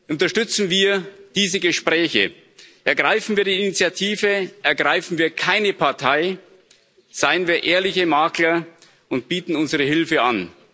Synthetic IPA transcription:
ʔʊntɐʃtʏt͡sn̩viːɐd̥iːzəɡəʃpʁɛːçə̰ | ʔɛɐɡʁaɪfn̩viːɐdiːinit͡sjatʰiːvəʔɛɐɡʁaɪfn̩viːɐkʰaɪnəpʰaɐtʰaɪ | z̥aɪənviːɐʔeːɐlɪçəmaːklɐ | ʔʊnt̚b̥iːtn̩ʊnzəʁəɦɪlfəa̰n

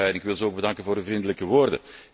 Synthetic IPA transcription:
ɛnɪkʋɪlˠzəoːɡ̚bədɑŋkənvoːɾyvrindələkəʋoːrdə̰

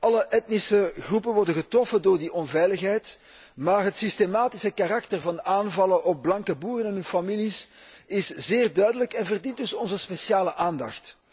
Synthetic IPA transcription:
ɑləʔɛtnisəɣrupənʋɔrdənɣətrɔfəndoːrdiʔɔnvɛjləxɦɛjt | maːrɦətsistemaːtisəkaɾɑk̚tərvɑnaːnvɑlənʔɔp̚blɑŋkəbuːrənɛnɦɵnfɑmilis | ɪszeːrdœɥdələkɛnvərdint̚dʏsɔnzəspesjaːləʔaːndɑxt

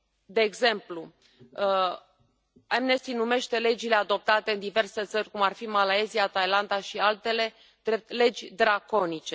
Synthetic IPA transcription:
d̪e̞ːɡze̞mplu | amne̞st̪inume̞ʃt̪e̞le̞d͡ʒile̞ad̪o̞p̚t̪at̪e̞ɨnd̪ive̞rse̞t̪sərʲkumarfimalaeziat̪ajland̪aʃialt̪e̞le̞ | d̪ɾep̚t̪le̞d͡ʒʲd̪ɾako̞nit͡ʃe̞

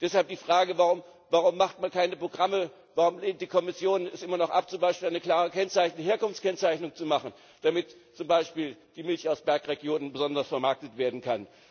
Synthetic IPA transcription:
d̥ɛshalp̚d̥iːfʁ̥aːɡəvaʁʊm | vaʁʊmːaχtmankʰaɪnəpʁ̥oɡʁamə | vaʁʊmleːnt̚d̥iːkʰɔmɪsjoːnɛsʔɪmɐnɔχʔa̰p̚t͡sʊmbaɪʃpiːlʔaɪnəkl̥aːʁəkʰɛnt͡saɪçnəəɦeːɐkʊnft͡skɛnt͡saɪçnʊŋt͡sumaχn̩ | d̥amɪtt͡sʊmbaɪʃpiːld̥iːmɪlçaʊsb̥ɛɐkʁeɡjoːnənbəzɔndɐsfɛɐmaɐk̚tətv̥eːɐdn̩kʰan

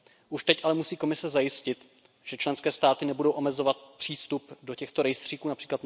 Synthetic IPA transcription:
ʔuʃt̪ɛcʔalɛmusiːkomɪsɛzajɪscɪt̪ | ʒ̥ɛt͡ʃlɛnskɛːst̪aːt̪ɪnɛbudo̞wʔo̞mɛzo̞vat̪̚pr̥iːst̪updo̞cɛxt̪oɾɛjst̪r̝̥iːkuːnapr̝̥iːklat̪

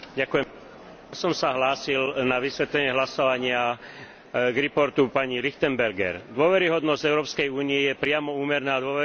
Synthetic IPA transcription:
ɟakujɛ | sɔmsaɦlaːsilnaʋisʋɛt̪lɛɲɪɛɦlasɔʋaɲɪa | ɡɾipɔɾt̪upaɲilixt̪ɛmbɛɾɡɛ̰ɾd̪ʊɔʋɛɾiɦɔd̪nɔzɟɛʊɾɔːpskɛjuːnijɛjɛpɾɪamɔuːmɛɾnaːd̪ʊɔʋɛ

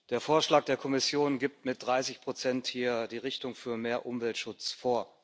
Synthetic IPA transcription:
d̥eːɐfoːɐʃlaːk̚d̥eːɐkʰɔmɪsjoːnɡip̚tmɪt̚d̥ʁaɪsɪçpʁ̥ot͡sɛnthiːɐd̥iːʁɪçtʊŋfyːɐmeːɐʔʊmvɛltʃʊt͡sfoːɐ

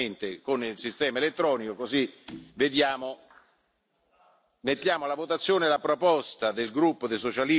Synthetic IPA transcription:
ent̪ekonilsist̪ɛːmaelet̪ːɾɔːnikokozived̪jaːmo | met̪ːjaːmolavot̪at̪sːjoːnelapɾopɔst̪ad̪elɡɾupːod̪esot͡ʃali

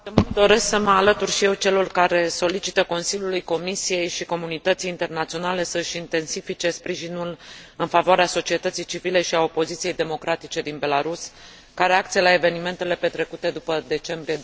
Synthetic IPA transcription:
t̪emud̪o̞ɾe̞sksəməalət̪urʃije̞wt͡ʃe̞lorkaɾe̞so̞lit͡ʃit̪əko̞nsilʲjulujko̞misije̞jʃiko̞munit̪ət̪sijːnt̪e̞rnat̪sio̞nale̞səʃint̪e̞nsifit͡ʃe̞spɾiʒinulɨnfavoaɾeaso̞t͡ʃie̞t̪ət̪sijt͡ʃivile̞ʃiao̞po̞zit̪sije̞jd̪e̞mo̞kɾat̪it͡ʃe̞d̪inbe̞laɾus | kaɾeak̚t̪sijelae̞ve̞nime̞nt̪e̞le̞pe̞t̪ɾe̞kut̪e̞d̪upəd̪e̞t͡ʃe̞mbɾije

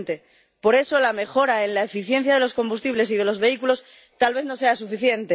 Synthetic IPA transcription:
nt̪e̞ | po̞ɾe̞so̞lame̞xo̞ɾae̞nlae̞fiθje̞nθjaðe̞lo̞sko̞mbust̪iβle̞siðe̞lo̞zβe̞ikulo̞s | t̪alβ̞e̞θno̞se̞asufiθje̞nt̪e

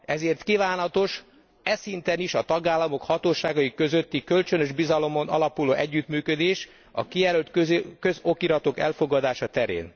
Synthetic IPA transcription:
ɛzeːrt̪kivaːnɒt̪o̞ʃ | ɛsint̪ɛniʃɒt̪ɒɡaːlːɒmo̞khɒt̪oːʃaːɡɒikːø̞zø̞t̪ːikølt͡ʃønøʒbizɒlo̞mo̞nɒ̰lɒpuloːʔɛɟːyt̪myːkød̪eːʃ | ɒ̰kijɛɾølt̪kø̞zo̞kiɾɒt̪o̞kɛ̰lfo̞ɡɒd̪aːʃɒt̪ɛɾḛːn

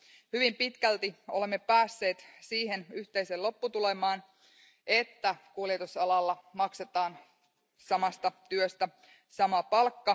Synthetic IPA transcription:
hyʋimpit̪kælt̪io̰le̞mːepæːsːe̞ːt̪siːɦe̞nyht̪e̞jselo̞pːut̪ule̞mɑːn | ʔet̪ːækuljet̪usɑlɑlːɑmɑkse̞t̪ɑːn | sɑmɑst̪ɑt̪yøst̪æ | sɑmɑpɑlkːɑ

